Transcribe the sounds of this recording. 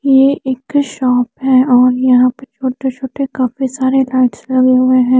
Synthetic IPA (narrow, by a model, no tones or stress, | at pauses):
jeeːkʃɔːpɦɛ̃ɔːɾjɐɦãpɐɾt͡ʃʰoːʈet͡ʃʰoːʈekaːfisaːɾelaɪʈslɐɡeɦʊeɦɛ̃ː